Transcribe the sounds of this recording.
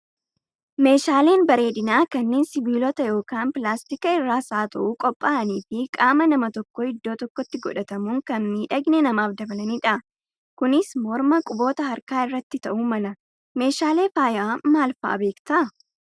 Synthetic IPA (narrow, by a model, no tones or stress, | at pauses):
me̞ːʃaːle̞ːnbɐɾe̞ːd̪ɪnaːkɐnːeːnsɪbiːlɔt̪ɐjo̞ːkaːnpɪlaːst̪ikɐɪrːaːsaːt̪ɐ̰ʔukʼɔpʼːaːɐniːfɪkʼaːmɐnɐmɐt̪ɔkːɔɪd̪ːo̞ːt̪ɔkːɔt̪ːɪɡɔᶑɐt̪ɐmuŋkɐnmiːᶑɐɡnɛnɐmaːfd̪ɐbɐlɐniːᶑɐʔ | kʊnɪsmɔɾmɐkʼʊbo̞ːt̪ɐɦɐɾkaːɪrːɐt̪ːɪt̪ɐʔuːmɐlɐ | me̞ːʃaːle̞ːfaːjʔaːmaːlfa̰ːbe̞ːkt̪ɐʔ